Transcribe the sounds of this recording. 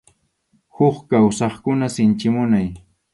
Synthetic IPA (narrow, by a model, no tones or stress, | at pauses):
hʊχkawsɑχkʊnasɪnt͡ʃɪmʊnaj